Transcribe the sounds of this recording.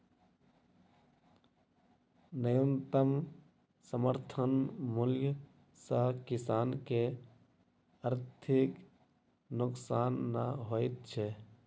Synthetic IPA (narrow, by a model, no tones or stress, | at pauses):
nəjənt̪əm | səməɾt̪ʰənmʊlj | sakɪsaːnke | əɾt̪ʰɪk | nʊksaːnːaɦoːɪt̪̚t͡ʃʰe